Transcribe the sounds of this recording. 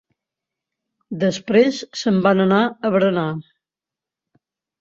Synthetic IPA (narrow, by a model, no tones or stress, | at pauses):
d̪əspɾesːəmbanənaəβɾəna